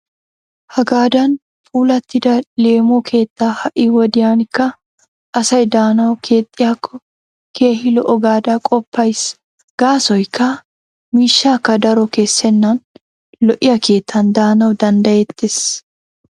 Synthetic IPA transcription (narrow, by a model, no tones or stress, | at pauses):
hɐɡaːd̪ɐn | fʼuːlɐt̪ːɪd̪ɐle̞ːmoːkʰe̞ːt̪ːaːhɐʔɪwɔd̪ɪjaːnɪkːɐ | ʔɐsɐjd̪aːnɐwkʰe̞ːt̪ʼːɪjaːkʰːɔ | kʰe̞ːhɪlɔʔɔɡaːd̪akʼɔpːɐjs | ɡ̥aːsɔjkʰːɐ | miːʃːaːkːɐd̪ɐɾɔke̞ːsːɛnːan | lɔʔɪjɐkʰe̞ːt̪ʰːɐnd̪aːnɐwd̪ɐnd̪ɐjɛt̪ːes